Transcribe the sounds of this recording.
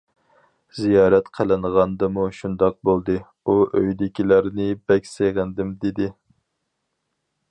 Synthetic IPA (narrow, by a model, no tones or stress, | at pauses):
zijɑːɾɛt̪qʰəlˠɨnʁɑnd̪ɨmuʃund̪ɑq̚bolˠd̪ɨ | uʔøjd̪ɪkʲʰilæɾnɪbɛkʲseʁənd̪ɪmd̪ed̪ɪ